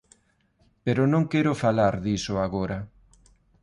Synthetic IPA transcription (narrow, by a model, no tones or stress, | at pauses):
peɾʊnõŋkɛɾʊfalaɾðisʊaɣoɾɐ